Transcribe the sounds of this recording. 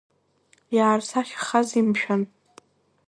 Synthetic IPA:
jaːrsaχʲχazimʃᶣan

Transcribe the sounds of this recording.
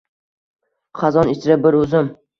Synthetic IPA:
χɑzɒnɪt͡ʃʰɪɾabɪɾɵzɪm

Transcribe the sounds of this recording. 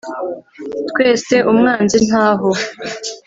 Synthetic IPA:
tkwe̞ːse̞ʔumŋaːnzin̥aːɦo

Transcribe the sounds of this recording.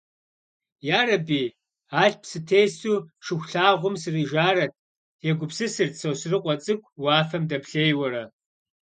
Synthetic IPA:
jaːɾɐbiː | aːɬpsɨtʰeːjsuːʂɨxʷɬaːʁʷʊmsɨriːʒaːɾɐt̚ʰ | jɛɡʷʊpsɨsɨrtsɐwsrɨqʷʼɔt͡sʼɨkʷʰʼwaːfɐmdɐpɬeːjwɐɾɐ

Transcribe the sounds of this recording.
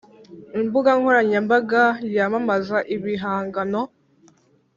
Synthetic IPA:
imbuɡaŋhoɾaɲambaɡajamamazaʔiβiɦaːŋɡano

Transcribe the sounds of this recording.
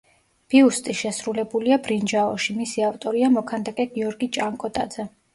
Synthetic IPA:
b̥iust̪ʼiʃɛsɾulɛbuliabɾind͡ʒaɔ̰ʃimisiaft̪ʼɔɾiamɔkʰand̪akʼɛɡ̥iɔɾɡit͡ʃʼaŋkʼɔt̪ʼa̰d̪zɛ

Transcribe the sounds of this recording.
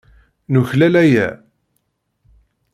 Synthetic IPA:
nuçlælæjæ̰

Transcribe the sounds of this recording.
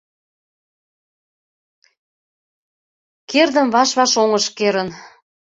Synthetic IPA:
kerd̪ə̆mβɑʃβɑʃoŋəʃkeɾən

